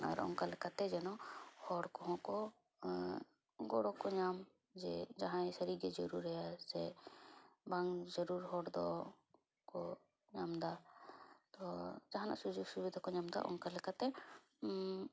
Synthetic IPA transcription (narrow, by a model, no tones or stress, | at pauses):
a̰ɾɔ̰ŋkalɛkat̪ɛd͡ʒɛnɔhɔɽkɔɦɔ̃kɔ | ɡɔɽɔkɔɲam | d͡ʒɛ̰d͡ʒaɦãɛ̃səɾiɡɛd͡ʒɔɾuɾɛjasɛ | baŋd͡ʒəɾuɾhɔɽd̪ɔ̰ | kɔ | ɲamd̪a | t̪ɔd͡ʒaɦãna̰ʔsud͡ʒuɡsubid̪ʱakɔɲamd̪a̰ʔɔ̰ŋkalɛkat̪ɛ